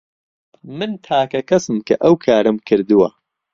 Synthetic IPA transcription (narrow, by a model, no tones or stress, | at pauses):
mɨnt̪ʰaːkɐkʰɐsɨmkʰɐʔɐwkʰaːɾɨmkʰɨɾd̪uwɐ̰